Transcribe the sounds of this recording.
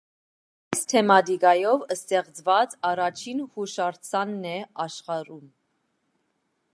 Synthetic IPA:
ist̪ʰɛmɑt̪ikɑjɔvəst̪ɛχt͡svɑt͡sɑrɑt͡ʃʰinhuʃɑɾt͡sʰɑnːɛɑʃχɑɾum

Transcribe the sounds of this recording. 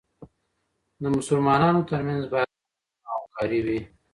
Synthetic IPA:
d̪əmʊsʊlmɑnɑnot̪əɾmanzbɑja | awkɑɾiwi

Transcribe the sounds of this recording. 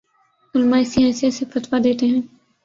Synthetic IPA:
ʊlmaːɪsiaːsijasefət̪ʋad̪eːt̪eɦɛ̃ː

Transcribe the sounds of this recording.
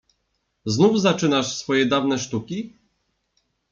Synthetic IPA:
znuvzat͡ʂɘnaʂsfɔjɛd̪avnɛʂt̪ukʲi

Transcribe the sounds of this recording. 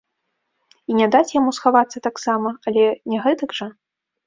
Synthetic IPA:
inʲɛd̪at͡sʲjamusxavat̪sːɐt̪aksamɐɐlʲɛnʲɛɣɛt̪ɐɡʐɐ

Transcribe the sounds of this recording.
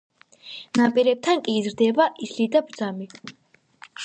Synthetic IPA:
napʼiɾɛp̚t̪ʰankʼiːzɾd̪ɛbaʔislid̪abɾd̪zami

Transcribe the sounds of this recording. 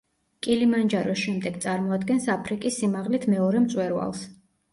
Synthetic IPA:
kʼilimand͡ʒaɾɔsʃɛmd̪ɛɡt̪sʼaɾmɔad̪ɡɛnsapʰɾikʼisːimaʁlit̪ʰmɛɔɾɛmt̪sʼwɛɾva̰lˠs

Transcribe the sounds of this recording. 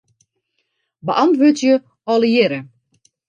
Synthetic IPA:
bəʔɑntʋotjə | ɔlˠəjɪɾə

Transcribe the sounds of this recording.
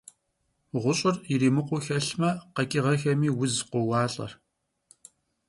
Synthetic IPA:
ʁʷʊɕʼɪriɾiːmɨqʷʊxɐɬmɐqɐkʼɪʁɐxɐmiːwʊzqʷʊwɑːɬʼɐ̰r

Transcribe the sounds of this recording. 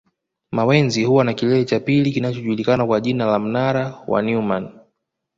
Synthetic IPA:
mawɛnzihuwanakilɛlɛt͡ʃapilikinat͡ʃɔʄulikanakwaʄinalam̩naɾawa̰numan

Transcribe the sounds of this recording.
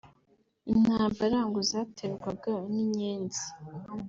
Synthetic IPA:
in̥haːmbaɾaŋɡozaːtʰeɾɡwaɡaniɲeːnzi̥

